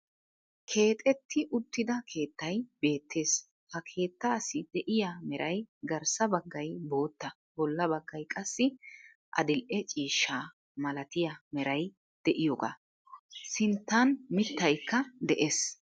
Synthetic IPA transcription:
kʰe̞ːt̪ʼɛt̪ːɪʔʊt̪ːɪd̪ɐkʰe̞ːt̪ːɐjbe̞ːt̪ːe̞ːs | hɐkʰe̞ːt̪ːaːsɪd̪̥ɛʔɪjamɛɾʔɐjɡɐɾsɐbɐɡːɐjbo̞ːt̪ːɐ | bɔlːɐbɐɡːɐjkʼɐsːɪ | ʔɐ̰d̪ɪlʔɛt͡ʃʼiːʃːaː | mɐlɐt̪ɪjɐmɛɾɐj | d̪̥ɛʔɪjoːɡa̰ː | sɪnt̪ːɐnmɪt̪ːɐjkːɐd̪ɛʔeːs

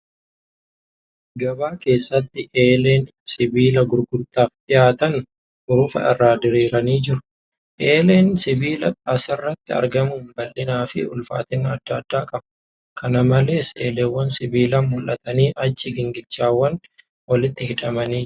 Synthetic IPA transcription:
ɡɐbaːke̞ːsːɐt̪ːɪʔeːleːn | sɪbiːlɐɡʊɾɡʊɾt̪ʼːaːft̪ʼɪjaːt̪ɐn | ʔʊɾʊfɐ̰ʔɛ̰rːaːd̪ɪɾiːɾɐniːd͡ʒɪɾʊ̥ | ʔe̞ːleːnsɪbiːlɐkʼɐsɐrːɐt̪ːɪɐ̰ɾɡɐmʊnbɐlːɪnaːfɪ̰ʊlfa̰ːt̪ɪnːɐd̪ːaːd̪ːaːkʼɐb | kʰɐnɐmɐle̞ːseːleːwːɐnsɪbiːlɐnmʊlʔɐt̪ɐniːʔɐt͡ʃːɪɡɪŋɡɪt͡ʃːaːwːɐn | wɐlɪt̪ːɪhɪᶑɐmɐniː

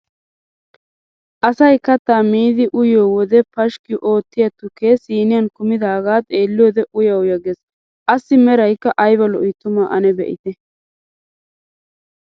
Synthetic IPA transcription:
ʔɐsɐjkɐt̪ːaːmiːd̪ɪʔʊjoːwɔd̪ɛpɐʃkɪʔo̞ːt̪ːɪjɐt̪ʊkeːsiːnɪjɐnkʊmɪd̪aːɡaːt̪ʼe̞ːlːɪjoːd̪ɛʔʊjɐwʊjɐɡɛs | ʔɐsːɪmɛɾɐjkːɐʔɐjbɐlɔʔit̪ːʊmaːʔɐnɛbɛ̰ʔɪ̰t̪ɛ

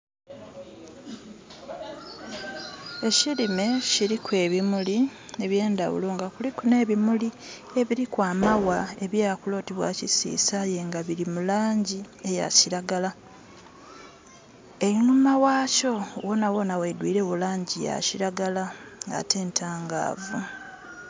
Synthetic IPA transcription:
e̞cilime̞ciɾikwe̞ːβimulie̞βje̞ːndawṵloŋɡakulikune̞ːβimuli | e̞βiɾikwaːmawae̞βjaːkulo̞ːtiβwa̰cisḭːsaje̞ŋɡaβiɾimulaːɲɟi | eja̰ciɾaɡala | eɾinumawaːco̞wonawo̞nawedwiːɾe̞βulaːɲɟija̰ciɾaɡalaɡa̰te̞ːntʰaːŋɡa̰ːvu

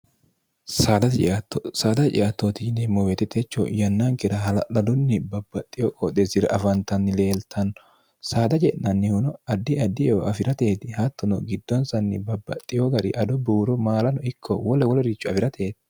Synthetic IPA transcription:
saːd̪ɐt͡ʃːt̪ːsaːd̪ɐt͡ʃʼɪʔɐt̪ːoːt̪ɪɪnɛmɔwɛt̪ːɛt̪ʰɛt͡ʃːɔ̰jɐnːaŋkɪɾɐhɐlɐlɐd̪ʊnːɪbɐbːɐt̪ʼːɪjɔkʼɔt̪ːesɪɾɐ̰ʔɐfɐnt̪ɐnːɪle̞ːlt̪ʰɐnːɔ | saːd̪ɐd͡ʒɛʔɐnːɪhʊnɔɐd̪ːɪɐd̪ːɪjɛʔɐfɪɾɐt̪e̞ːt̪ɪhɐt̪ːɔnɔɡɪd̪ːɔnsɐnːɪ̰bɐbːɐ̰t̪ʼːɪjoɡɐɾɪʔɐd̪ɔbuːɾɔmaːlɐnɔɪkʰːɔwɔlɛwɔlɛɾɪt͡ʃːʊɐfɪɾɐt̪ʰe̞ːt̪ɪ

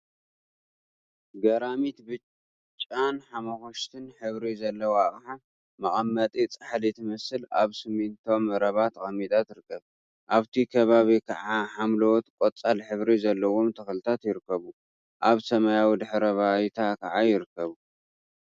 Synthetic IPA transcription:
ɡɐɾamit̪bɨ | t͡ʃʼːanħamɐxoʃt̪ʰɨnħɨβɾizɐlːɐwoaχʼħa | mɐʔʼɐmːɐt̪ʼit͡sʼaħlit̪ʰɨmɐsɨla̰βsɨmːint̪ʰo̞mɐɾɐβat̪ʰɐxʼɐmːit̪ʰʼat̪ɨɾɨkːɐβ | ʔaβt̪ʰikʰɐβaβikʰɐʕaħamlowot̪kʷʼot͡sʼalħɨβɾizɐlːɐwo̞mt̪ʰɐxlɨt̪ʰat̪jɪɾɨkːɐβu | ʔaβsɐmajawid̪ɨħɾɐβajt̪ʰakʰɐʕajɪɾɨkːɐβu

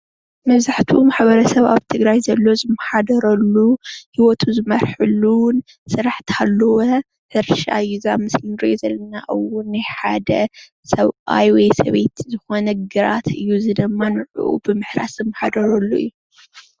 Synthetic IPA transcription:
mɐβzaħt̪ʰiumaħbɐɾɐsɐβa̰βt̪ʰɨɡɾajzɐlːo̞zɨmːɐħad̪ɐɾɐlːuhiwɔt̪ʰuzɨmɐɾħɨlːuwn | sɨɾaħt̪ʰalːɐwo | hɨɾʃa̰ɨjːuzamɨslinɾozɐlːɐnaʔɨwʊnːajħad̪ɐ | sɐβa̰jwɔjsɐβe̞t̪zɨxo̞nɐɡɨɾat̪ʰɨjːuzɨd̪ɨmːanɨʕṵʔṵbɨmɨħɾa̰szɨmːɐħad̪ɐɾɐlːuɨ̰jːu

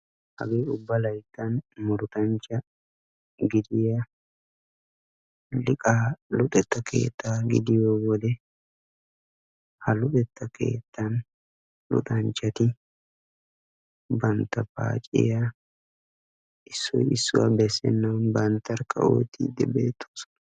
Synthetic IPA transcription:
hɐ̰ɡeːʊbːɐlɐjt̪ːɐnmʊɾt̪ɐnt͡ʃːɐ | ɡɪd̪ɪjɐ | lɪkʼaːlʊᶑ̪ɛt̪ːɐke̞̰ːt̪ʰːaːɡɪd̪ɪjoːwɔd̪ɛ | hɐlʊᶑɛt̪ːɐkḛːt̪ːɐn | lʊ̰t̪ɐnt͡ʃːɐt̪ɪ | bɐnt̪ːɐpa̰ːt͡ʃʼɪ̰ja | ʔɪsːɔ̰jɪsːʊ̰wa̰bɛsːɛ̰nːɐwnbɐnt̪ːɐɾkʰːɐ̰o̰ːt̪ːḭːd̪ːɛ̰bḛːt̪ːu̥s

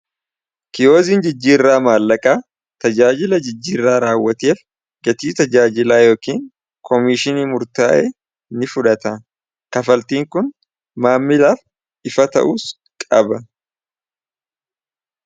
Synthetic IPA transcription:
kɪjo̞ːziːnd͡ʒɪd͡ʒːiːrːaːmaːlːɐkʼaː | t̪ɐd͡ʒaːd͡ʒɪlɐd͡ʒɪd͡ʒːiːrːaːɾaːwːɐt̪eːf | ɡɐt̪iːt̪ɐd͡ʒaːd͡ʒɪlaːjo̞ːkiːŋ | kʰɔmɪʃɪniːmʊɾt̪aːʔeː | nɪfʊᶑɐt̪ɐ | kɐfɐlt̪iːŋkʊn | maːmːɪlaːf | ɪfɐt̪ɐ̰ʔuːs | kʼɐbɐ

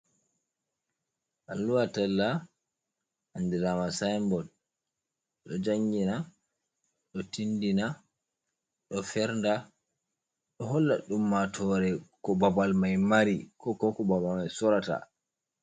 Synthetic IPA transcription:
ʔalːuwatalːa | andiɾamasajmbɔl | ɗɔd͡ʒaŋɡina | ɗɔtindina | ɗɔfɛɾnda | ɗɔɦɔlːa̰ɗumːatʰɔɾɛkɔbabalmajmaɾikɔkɔkɔbabalmajsɔɾata̰

